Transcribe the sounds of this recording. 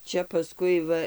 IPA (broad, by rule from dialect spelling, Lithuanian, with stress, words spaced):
ˈt͡ʃʲɛ pɐˈskʊɪ ˈʋɐ